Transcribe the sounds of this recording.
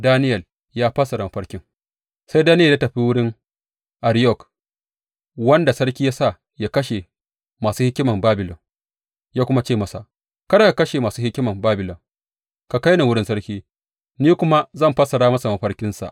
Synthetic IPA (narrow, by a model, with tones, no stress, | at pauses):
daː˦nɪ˦jɐ˨l | jaː˦ɸɐ˦sɐ˨ɾa˨ma˨ɸɐ˦ɽkʲɪ˦ŋ | sa˦jdaː˦nɪ˦jɐ˨ja˦tɐ˨ɸi˦wʊ˦ɽɪ˦ŋ | ʔa˨ɾjɔ˦˨k | wɐ˦nda˨sɐ˦ɽkʲiː˦ja˦sa˦˨ | ja˦kɐ˦ʃe˨ | maː˨suː˦hɪ˦kʲːɪ˦mɐ˨mbaː˦bɪ˨lɔ˨ŋ | jaː˦kʷʊ˦ma˦t͡ʃeː˦˨mɐ˨sa̰˨ʔ | kɐ˦da˦˨ka˨kɐ˦ʃe˨maː˨suː˦hɪ˦kʲːɪ˦mɐ˨mbaː˦bɪ˨lɔ˨ŋ | ka˨ka˦jna˨wʊ˦ɽɪ˦nsɐ˦ɽkʲiː˦ | niː˦kʷʊ˦ma˦zɐ˦˨mɸɐ˦sɐ˨ɽaː˦mɐ˦sa˨ma˨ɸɐ˦ɽkʲɪ˦nsa̰˨ʔ